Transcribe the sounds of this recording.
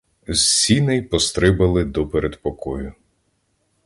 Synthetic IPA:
zsʲinɛjpɔst̪ɾɪbɐlˠɪd̪ɔpeɾed̪pɔkɔjʊ

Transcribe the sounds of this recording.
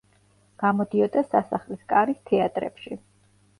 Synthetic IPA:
ɡ̥amɔd̪iɔd̪asasaχliskʼaɾist̪ʰɛat̪ʼɾɛ̰pʃi

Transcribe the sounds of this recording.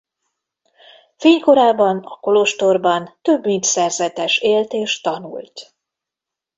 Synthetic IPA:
feːɲko̞ɾaːbɒnɒ̰ko̞loʃt̪orbɒnt̪øbmint̪sɛrzɛt̪ɛʃeːlt̪eːʃt̪ɒnṵlt̪

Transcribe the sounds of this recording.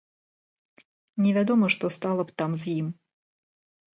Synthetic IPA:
nʲɛvʲad̪ɔməʂt̪ɔst̪alˠɐpt̪amzjim

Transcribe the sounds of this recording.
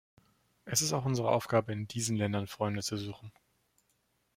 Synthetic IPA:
ʔɛsɪstaʊxʔʊnzəʁəʔa̰ʊfɡ̥aːbəɪndiːzn̩lɛndɐnfʁ̥ɔʏndət͡suzuːxn̩

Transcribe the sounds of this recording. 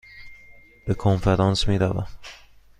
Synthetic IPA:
b̥ekʰonfeɾɑnsmiːɾævæ̰

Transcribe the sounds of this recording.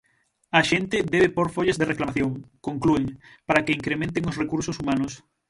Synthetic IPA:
ɐʃent̪ɪd̪ɛβ̞epoɾfoʎezðereklamaθjoŋkoŋklueŋpaɾakeiŋkɾemẽnt̪eŋosrekuɾsosumanʊs

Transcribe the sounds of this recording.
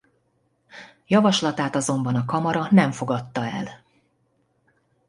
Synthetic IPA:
jɒvɒʃlɒt̪aːt̪ɒzo̞mbɒnɒkɒmɒɾɒnɛɱfo̞ɡɒt̪ːɒɛ̰l

